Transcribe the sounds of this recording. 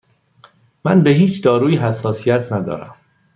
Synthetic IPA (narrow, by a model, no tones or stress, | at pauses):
mænbeɦiːt͡ʃʰd̪ɒːɾuːiːɦæsːɒːsijæt̪ʰnæd̪ɒ̰ːɾæ̰m